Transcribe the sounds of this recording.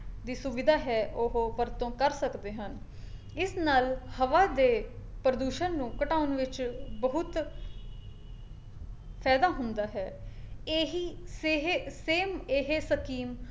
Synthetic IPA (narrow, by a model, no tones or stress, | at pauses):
d̪iːsʊʋɪd̪ʱaːɦɛːʔoɦopəɾt̪õːkəɾsəkd̪eːɦən | ɪsnaːlhəʋaːd̪eː | pɾəd̪uːʃənnũːkəʈaːʊnʋɪt͡ʃbəɦʊt̪ | pʰɛːd̪aːɦʊnd̪aːɦɛːeːɦiːseːɦeseːmeɦeːsəkiːm